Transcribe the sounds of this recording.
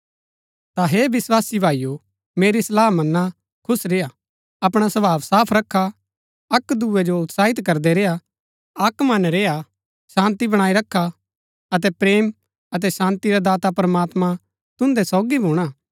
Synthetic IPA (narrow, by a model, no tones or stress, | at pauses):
t̪aɦeːbɪswaːsibʱaːiju | meːɾislaːɦmɐnːa | kʰʊsɾeːa | ɐpɽ̃asɐbʱaːʋsaːpʰɾɐkʰːa | ɐkd̪uɛd͡ʒoʊt̪saːɪt̪kɐɾd̪ɛɾeːa | ɐkmɐnɾeːa | sãːnt̪ibɐɽ̃aːiɾɐkʰːa | ɐt̪̬ɛpɾeːm | ɐt̪̬ɛsãːnt̪iɾad̪aːt̪apɾɐmaːt̪mã | t̪ʊ̃nd̪ɛsɔːɡibʱuːɽ̃aː